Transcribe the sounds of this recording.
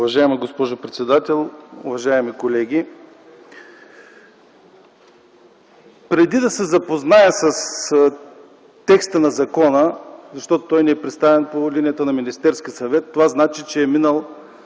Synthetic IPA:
ʊvɐʒaɛməɡospɔʒʊpɾɛt̪sɛd̪at̪ɛlˠʊvɐʒaɛmikolɛɡʲi | pɾɛd̪id̪ɐsɛzɐpoznajəsɐs | t̪ɛkst̪ənɐzɐkɔnəzɐʃt̪ɔt̪ot̪ɔjniɛpɾɛt̪st̪avɛnpolinijɐt̪ənɐminist̪ɛɾskʲiəsɐvɛt̪ːovaznat͡ʃit͡ʃɛːminəlˠ

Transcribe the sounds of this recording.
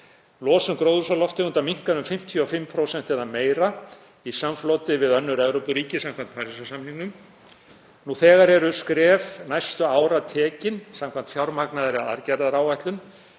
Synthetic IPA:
lɔːsʏmkɾoːwðʏsalɔft̪ɪʏnt̪amiŋ̥kanʏmfɪm̥t̪ʰjiɔfɪmpʰɾowsɛn̥t̪ɛðameːjɾa | isamfloːt̪ɪvɪðœnːʏɾɛɣɾowpʏɾiːcɪsam̥kʰant̪̚pʰaːɾisasamniŋkʏm | nuθɛːɣaɾɛɾʏskɾɛːvnajst̪ʏaːwɾat̪ʰɛːcɪnsamkʰvant̪fjawɾmaknaðʏɾɪaa̰ɾcɛɾðaɾaːwvajht̪lʏn

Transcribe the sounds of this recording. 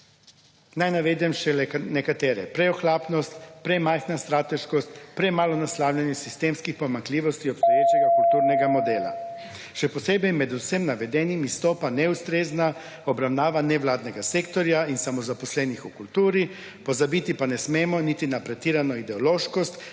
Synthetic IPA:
najnaʋeːd̪ɛmʃɛnɛkat̪ɛːɾɛpɾɛɔxlaːpnɔst̪pɾɛmajxnast̪ɾaːt̪ɛʃkɔst̪pɾɛmaːlɔnaslawlʲjanjɛsist̪eːmskixpɔmaŋkliːʋɔst̪iɔpst̪ɔjeːt͡ʃɛɡakult̪uːɾnɛɡamɔd̪ɛːla̰ | ʃɛpɔseːbɛjmɛd̪usemnaʋɛd̪ɛnimist̪ɔːpanɛust̪ɾeːzna | ɔbɾawnaːʋanɛwlaːd̪nɛɡaseːkt̪ɔɾjainsamɔzapɔslɛːnixukult̪uːɾi | pɔzabit̪ipanɛsmeːmɔnit̪inapɾɛt̪iːɾanɔid̪ɛɔloːʃkɔst̪

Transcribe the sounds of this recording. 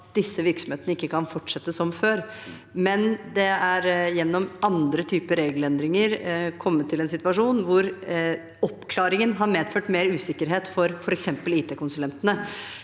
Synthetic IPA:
t̪̚d̪ɪsːəʋɪɾksɔmheːt̪ənəɪkːəkʰɑnfɔʈʂɛt̪ːəsɔmføːɾ | mɛnd̪ɛæɾjɛnːɔmɑnd̪ɾət̪ʰyːpəɾeːɡəlɛnd̪ɾɪŋəɾkʰɔmːət̪ʰːɪlɛnsɪt̪ʋɑʂuːnʋʊɾ | ɔpːkʰlɑːɾɪŋənɦɑɾmeːd̪føːʈmeːɾʉːsɪkːəɾɦeːt̪fɔɾfɔɾɛksɛmpəliːt̪ʰeːkʊnsʉlɛnt̪ənə

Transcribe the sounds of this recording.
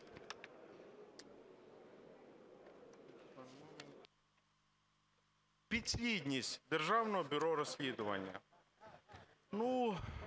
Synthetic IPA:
pʲid̪ʲsʲlʲid̪ʲnʲisʲtʲd̪erʒɑwnɔɦɔbʲʊɾɔɾɔsʲlʲid̪ʊʋɐ̰nʲːɐ̰ | nu

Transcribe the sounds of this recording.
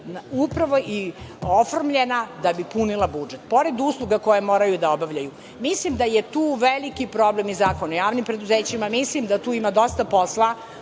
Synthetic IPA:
nupɾaʋo̞ʔiofoɾmʎenad̪abipunilˠabud͡ʒet̪po̞ɾe̞d̪uːslˠuɡako̞jemoːɾajud̪aobaʋʎaju | mislimd̪ajet̪uːʋelikipɾo̞blemizaːkonajaːʋnimpɾe̞d̪uzeːt͡ɕimamislimd̪at̪uːimad̪o̞st̪apo̞slˠa

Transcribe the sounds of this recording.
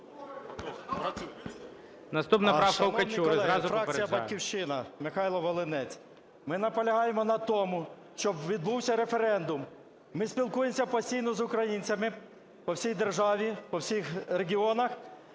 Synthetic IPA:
nɐst̪upnɐɾwkɐwmkɐt͡ʃʲukɔzɛɾɑzʊfɾɑk̚t͡sijɐbɐkʲiwʃt͡ʃɪnɐmɪxɑjlˠɔʋɔlˠɪnɛt͡sʲ | mɪnɐpɔlʲɐɦɑjemɔnɐt̪ɔmʊ | ʃt͡ʃɔbʋʲid̪̚buwsʲɐɾe̞fe̞ɾɛnd̪ʊmː | ɪsʲpʲilˠkujemsʲɐpɐsʲtʲijnɔzʊkɾɐjinʲt͡sʲɐmɪ | pɔwsʲijd̪e̞rʒɑʋʲipɔwsʲixɾeɡʲiɔnɐx

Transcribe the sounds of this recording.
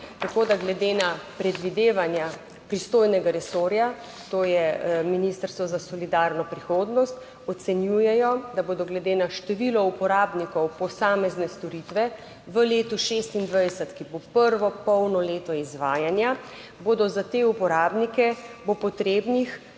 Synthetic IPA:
t̪akod̪aɡlɛd̪enapɾɛd̪ʋid̪eːʋanja | pɾist̪oːjnɛɡaɾɛsoːɾja | t̪oːjɛminist̪əɾst̪ʋɔzasɔlid̪aɾnɔpɾixoːd̪nɔst̪ | ɔt̪sɛnjujɛjɔd̪aboːd̪ɔɡlɛd̪eːnaʃt̪ɛʋilɔupɔɾaːbnikɔwpɔsaːmɛznɛst̪ɔɾit̪ʋɛ | ʋəleːt̪uʃest̪ind̪ʋajdsət̪kibopəɾʋɔpɔwnɔleːt̪ɔizʋaːjanja | boːd̪ɔzat̪eupɔɾaːbnikɛbopɔt̪ɾeːbnix

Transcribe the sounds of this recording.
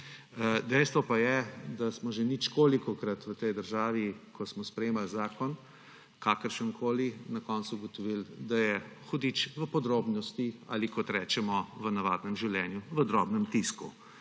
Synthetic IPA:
d̪ɛjst̪ʋɔpajɛd̪asmɔʒɛnit͡ʃkoːlikɔkɾat̪ʋət̪ɛjd̪əɾʒaːʋikʰɔsmɔspɾɛjeːmalzaːkɔn | kaːkəɾʃənkʰoːlinakɔnt̪suɡɔt̪ɔʋild̪ajɛxɔd̪it͡ʃʋəpɔd̪ɾoːbnɔst̪ia̰likɔt̪ɾɛːt͡ʃɛmɔʋənaʋad̪nɛmʒiwlɛːnjuʋəd̪ɾɔːbnɛmt̪iskṵ

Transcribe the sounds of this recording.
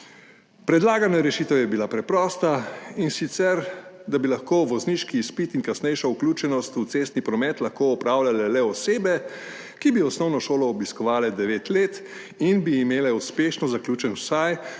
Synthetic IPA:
pɾɛd̪laːɡanaɾɛʃiːt̪ɛwjɛbilapɾɛpɾɔːst̪ainsit̪sɛɾd̪abilaxkoːʋɔzniːʃkiːspit̪iŋkasnɛjʃauklʲuːt͡ʃɛnɔst̪ut̪seːst̪nipɾɔmɛt̪laxkoɔpɾaːwlʲalɛlɛɔseːbɛ | kibiɔsnɔwnɔʃoːlɔːbiskɔʋaːlɛd̪ɛʋeːt̪leːt̪ | inbiːmeːlɛuspeːʃnɔzaklʲuːt͡ʃɛnwsaj

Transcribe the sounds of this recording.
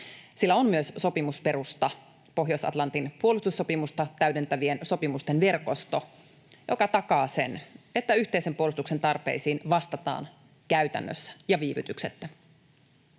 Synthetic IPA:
silːæommyøsso̞pimuspe̞ɾust̪ɑ | po̞ɦjosɑ̰t̪lɑnt̪inpuolust̪usːo̞pimust̪ɑt̪æyde̞nt̪æʋie̞nso̞pimust̪enʋe̞rko̞st̪o | jo̞̰kɑt̪ɑkɑːse̞̰ne̞t̪ːæyçt̪e̞ise̞mpuolust̪uksent̪ɑrpe̞̰isiːnʋɑst̪ɑt̪ɑ̰ːn | kæɥt̪æ̰nːø̰sːæ̥jɑʋiːʋyt̪ykset̪ːæ

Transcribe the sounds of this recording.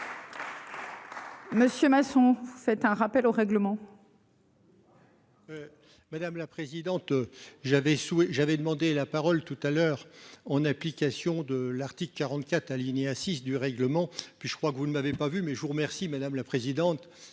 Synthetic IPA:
məsjømasɔ̃vufɛt̪ɛ̃ʁapɛloʁɛɡləmɑ̃ | mad̪amlapχezid̪ɑ̃t̪ʒavɛswɛʒavɛd̪əmɑ̃d̪elapaʁɔlt̪ut̪alœːʁɑ̃naplikʲasjɔ̃d̪əlaʁt̪ikləkʲːaʁɑ̃t̪kʲat̪χalineasisd̪yʁɛɡləmɑ̃pɥiʒə̥kχwakvunəmavepavymɛʒəvuʁəmɛʁsimad̪amlapχezid̪ɑ̃t̪

